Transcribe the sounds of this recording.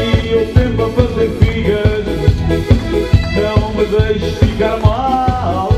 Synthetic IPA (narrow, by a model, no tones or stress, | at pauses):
iewsẽmpɾɐfɐzeɾfiɣɐɾ | ʒɐ̃w̪̃ɐ̃w̃mɨðɐjʃu̥fikaɾmal